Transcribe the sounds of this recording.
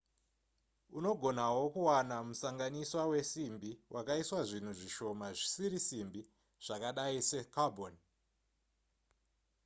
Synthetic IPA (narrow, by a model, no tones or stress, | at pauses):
uno̞ɡʱo̞nawo̞kuwanamusaŋɡaniswawe̞simbiwʔakaiswaʐin̤uʐiʃo̞maʐisiɾisimbi | ʐ̥akaɗaisekabʱon